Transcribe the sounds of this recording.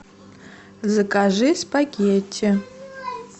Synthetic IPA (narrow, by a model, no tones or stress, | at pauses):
zɨkʼaʒʷɨspʼaɡʲetʰɪ